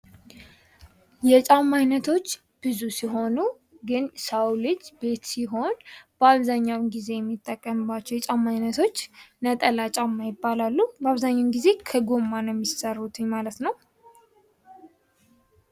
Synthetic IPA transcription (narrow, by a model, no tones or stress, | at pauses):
jɛt͡ʃʼamːajnət̪ʰo̞t͡ʃː | b̥ɨzusiɦo̞nu | ɡɨnsawlɨd͡ʒːbe̞t̪siɦo̞nb̥əaβzaɲːawnɡize̞jɛmːit̪ʼːəkʼːəmbat͡ʃːɛwjɛt͡ʃʼamːajnət̪ʰo̞t͡ʃːnət̪ʼəlat͡ʃʼamːajɪbːalalːubəaβzaɲːawnɡize̞kʰəɡo̞mːanəmːisərːut̪ʰɨɲmalət̪nəw